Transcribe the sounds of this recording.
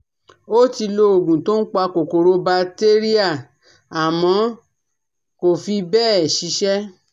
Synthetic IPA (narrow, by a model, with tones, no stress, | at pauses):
o˦ti˧lo˧o˨ɡũ˨to˦n̩˦k͡pa˧ko˨ko˨ɾo˧ba˧te˦ɾi˦a˦˨ | a˨mɔ̃˨˧˦ | ko˨fi˧bɛː˦˨ɛ˨ʃi˨˧˦ʃɛ˦